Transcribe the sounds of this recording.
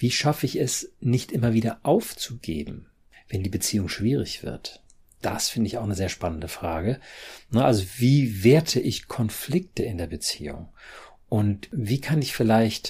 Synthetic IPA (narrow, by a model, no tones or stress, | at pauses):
viːʃafəɪçɛsnɪçtʔɪmɐviːdɐʔaʊft͡suɡḛːbm̩ | v̥ɛndiːbət͡siːʊŋʃv̥iːʁɪ̰çv̥ɪ̰ɐt | d̥a̰sfɪndəɪçaʊxnəzeːɐʃpanəndəfʁ̥aːɡənəʔalzoviːveːɐtʰəʔɪçkʰɔnflɪk̚təɪndeːɐbət͡sḭːʊ̰ŋ | ʔʊntviːkʰanɪçfɪlaɪçt